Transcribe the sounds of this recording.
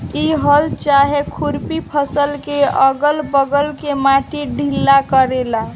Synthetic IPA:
iɦəlt͡ʃaɦekʰuɾpipʰəsəlkeəɡəlbəɡəlkemaʈiɖʱilːakəɾela

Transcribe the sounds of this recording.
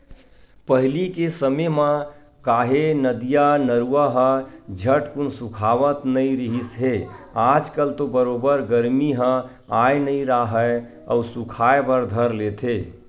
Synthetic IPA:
pəɦlikesəmemã | kaːɦenəd̪ijanəɾuaɦə̃d͡ʒʱəʈkunsukʰaːʋət̪nəiɾiɦisɦe | ad͡ʒkəlt̪obəɾobəɾɡəɾmiɦə̃ | ajnəĩɾaɦə | ə̰usukʰaebəɾd̪ʱəɾlet̪ʰe

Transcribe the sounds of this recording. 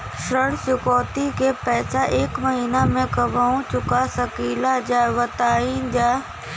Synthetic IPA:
ʃəɽsʊkɔːt̪ikepɛːsaʔeːkmɐɦiːnamẽkɐbaːũt͡ɕʊkasɐkiːlad͡ʑaːʋɐt̪aːind͡ʑaː

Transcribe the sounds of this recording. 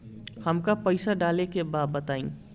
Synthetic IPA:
həmkapəɪsaɖaːlekebaːd̪̚bət̪aːĩ

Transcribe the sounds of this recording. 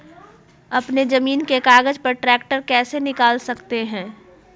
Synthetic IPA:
ɐpnezɐmiːnkekaːɡəd͡ʒpɐɾʈɾɛːk̚ʈəɾkɛːsenɪkaːlsɐkt̪eɦɛ̃ː

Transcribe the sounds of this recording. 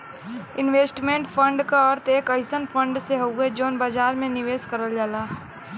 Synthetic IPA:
ɪnʋeːsʈmẽːɳʈpʰə̃ɳɖkaɔɾt̪eːkəɪsənpʰə̃ɳɖseɦoːɡed͡ʒoːnbaːd͡ʒaːɾmẽnɪʋeːskəɾəld͡ʒaːlaː

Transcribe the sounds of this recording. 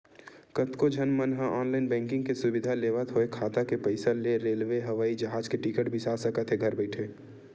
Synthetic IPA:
kət̪kod͡ʒʱɐnmənɦãʔɔːnlaɪnbɛ̃ːŋkɪ̃ŋɡkesʊbɪd̪ʱaleːʋət̪ɦoekʰaːt̪akepəɪsaleɾeːlʋeɦɐʋaːid͡ʒɐɦaːd͡ʒkeʈikəʈbʱisaːsəkət̪ʰɦeɡʱɐɾbɛɪʈʰeː

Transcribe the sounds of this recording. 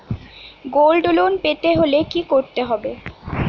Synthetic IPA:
ɡolɖolonpet̪eɦolekikoɾt̪eɦɔbe

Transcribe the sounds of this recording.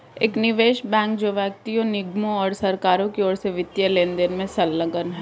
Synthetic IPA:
eːknɪʋeːʃbɛ̃ːŋkd͡ʒoʋɛk̚t̪ijõnɪɡmõɔːɾsɐɾkaːɾõkeɔːɾseʋɪt̪jəleːnd̪enmẽsɐlːə̃ɡənɦɛː

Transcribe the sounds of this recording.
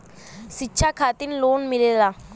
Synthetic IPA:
ʃitːɕʰakʰaːt̪ɪnloːnmɪleːlaː

